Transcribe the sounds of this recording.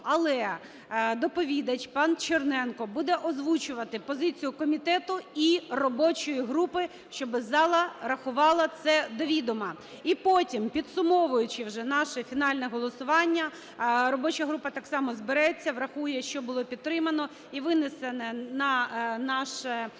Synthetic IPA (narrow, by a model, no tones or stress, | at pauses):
ɐlˠɛ | d̪ɔpɔʋʲid̪ɐt͡ʃʲpɑnt͡ʃernɛnkɔbud̪ɛʔɔzʋut͡ʃʊʋɐt̪ɪpɔzɪt͡sʲijʊkɔmʲit̪ɛt̪ʊirɔbɔt͡ʃɔjiɦɾupɪ | ʃt͡ʃɔbɪzɑlˠɐrɐxʊʋɑlˠɐt̪sɛd̪ɔʋʲid̪ɔmɐ | ipotʲimpʲid̪sʊmɔʋʊjʊt͡ʃɪwʒɛnɑʃɛfʲinɑlʲnɛɦɔlˠɔsʊʋɑnʲːɐ | ɾɔbɔt͡ʃɐɦɾupɐt̪ɑksɑmɔzbeɾɛt͡sʲːɐʋɾɐxujɛʃt͡ʃɔbʊlˠɔpʲidt̪̚t̪ːɾɪmɐnɔ | iʋɪnɪsenɛnɐnɑʃɛ